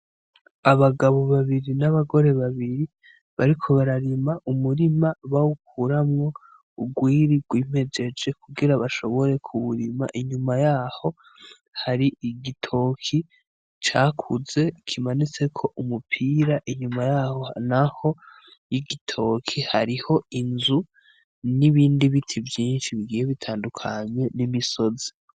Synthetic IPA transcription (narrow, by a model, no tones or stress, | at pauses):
aβaɡaβo̞βaβiɾinaβaɡo̞ɾe̞βaβiɾi | βaɾikʰo̞βaɾaɾimaʔumuɾimaβauk̚ʰuɾamŋo̞ | uɡwiːɾiɡwiːm̥e̞d͡ʒe̞d͡ʒe̞kʰuɡiɾaβaʃo̞βo̞ɾe̞kʰuβuɾima̰ʔiɲumajaːho̞ | haɾiiɡitʰo̞kʰi | t͡ʃaːkʰuze̞kʰimanit͡se̞kʰo̞ʔumupʰiːɾaʔiɲumajaho̞naho̞ | jiɡitʰo̞kʰihaɾiho̞inzu | niβiːndiβitʰivjiːnʃiβiɡiːjeβitʰaːndukʰaɲwe̞nimiso̞zi̥